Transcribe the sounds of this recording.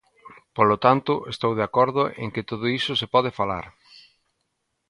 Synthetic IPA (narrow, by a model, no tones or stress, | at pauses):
polot̪ant̪ʊʔest̪owðeakɔɾðʊʔḛŋkɪt̪oð̞ʊisʊsepɔð̞ɪfala̰ɾ